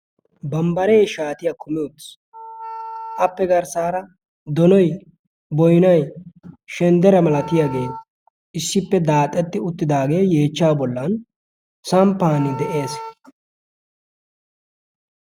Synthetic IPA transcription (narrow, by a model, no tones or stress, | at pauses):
bɐmbɐɾejʃaːt̪ɪjakʰʊmɪɔt̪s | ʔɐpːɛɡɐɾsaːɾɐ | d̪ɔnɔj | bɔjnɐjʃɛnd̪ɛɾɐmɐlɐt̪ɪjaɡe̞ːn | ʔɪsːɪpːɛd̪aːt̪ʼːɛt̪ːɪʊt̪ːɪd̪aːɡe̞ːje̞ːt͡ʃːaːbɔlːɐn | sɐmpːaːnɪd̪ɛʔe̞ːs